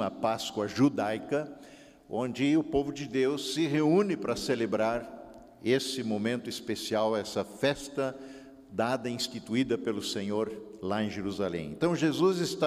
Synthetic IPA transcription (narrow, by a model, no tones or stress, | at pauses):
ɐpaskwɐʒud̪ajkɐ | õnd͡ʒɪʊpovʊd͡ʒɪd̪ewsːɪɦeũnɪpɾɐselebɾaɾ | esɪmõmẽnt̪ʊispesiawɛsɐfɛst̪ɐ | d̪ad̪ɐĩst̪it̪uid̪ɐpelʊsẽɲoɾlaẽj̃ʒeɾuzalḛ̃ḛ̃nt̪ɐ̃w̃ʒezuzɪst̪a